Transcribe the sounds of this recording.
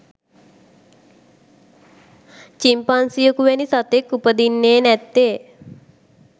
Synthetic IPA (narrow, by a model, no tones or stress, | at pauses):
t͡ʃimpansijəkuʋænisat̪ekːupəd̪inːeːnɛt̪ːe